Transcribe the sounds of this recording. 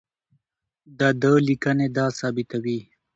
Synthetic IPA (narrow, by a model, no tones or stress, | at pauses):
d̪əd̪əlikəned̪ɑsɑːbɪt̪awi